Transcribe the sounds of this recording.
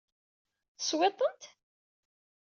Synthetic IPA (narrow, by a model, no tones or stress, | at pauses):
θəswet̪ˤːənt̪